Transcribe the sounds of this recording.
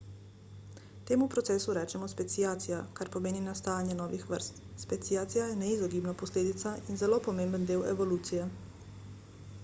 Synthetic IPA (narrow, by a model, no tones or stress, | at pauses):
t̪eːmupɾɔt̪sɛːsuɾɛːt͡ʃɛmɔspɛt̪sijaːt̪sijakaɾpɔmeːninast̪aːjanjɛnɔːʋixʋə̰ɾst̪spɛt̪sijaːt̪sijajɛnɛizɔɡiːbnapɔsleːd̪it̪sainzɛlopɔmeːmbənd̪eːwɛ̰ʋɔluːt̪sijɛ